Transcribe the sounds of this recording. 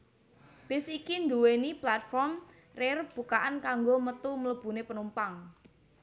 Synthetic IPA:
b̥ɪ̤sikind̪uweniplat̪̚fɔrm | rerb̥ṳkaʔankaŋɡomət̪umələb̥ṳnepənumpaŋ

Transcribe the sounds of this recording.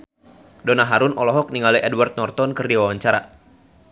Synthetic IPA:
dɔnaɦaɾunɔlɔɦɔk̚niŋaliʔɛdwart̪̚nɔrt̪ɔnkɨrdiwawaɲt͡ʃaɾa̰

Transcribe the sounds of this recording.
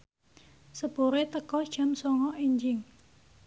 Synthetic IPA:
səb̥o̤ɾet̪əkɔ̥ʒ̥a̤msɔŋɔʔiɲd͡ʒɪŋ

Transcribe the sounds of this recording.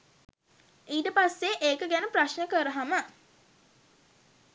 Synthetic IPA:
iːʈəpasːeʔeːkəɡænəpraʃnəkəɾəɦamə

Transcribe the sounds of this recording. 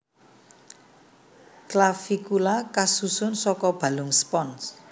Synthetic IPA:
klafikulakasusʊnsɔkɔb̥a̤lʊŋspɔns

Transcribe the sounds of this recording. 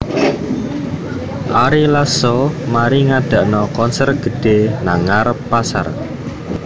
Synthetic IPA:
ʔaɾilasɔmaɾiŋaɖ̥a̤ʔnɔkɔnsɛrɡ̥ə̤ɖ̥e̤naŋarpasa̰r

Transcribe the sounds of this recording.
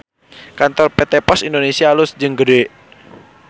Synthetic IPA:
kant̪ɔrpet̪epɔsindonesialʊsd͡ʒɨŋɡədoe

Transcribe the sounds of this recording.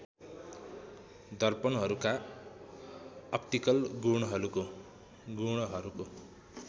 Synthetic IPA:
d̪ʌrpʌnɦʌɾuka | ʌp̚ʈ̪ikʌlɡuɽʌɦʌɾuko | ɡuɽ̃ʌɦʌɾuko

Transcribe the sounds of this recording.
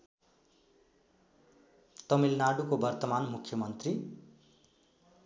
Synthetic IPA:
t̪ʌmilnaɽukobʌrt̪ʌmanmukʰjʌmʌnt̪ri

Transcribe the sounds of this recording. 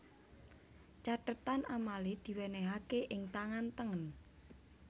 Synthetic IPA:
t͡ʃaʈət̪anamalid̪̥i̤weneɦakeʔɪŋt̪aŋant̪əŋən

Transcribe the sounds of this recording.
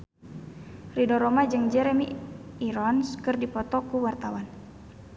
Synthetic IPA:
ridɔɾɔmad͡ʒɨŋd͡ʒɛɾɛmiiɾɔnskɨrdipɔt̪ɔkuwart̪awan

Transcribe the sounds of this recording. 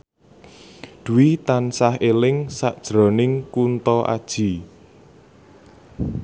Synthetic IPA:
d̪̥ṳwit̪ansaɦelɪŋsaʔd̥ʒ̥ɾɔnɪŋkunt̪ɔʔa̰d̥ʒ̥i̤

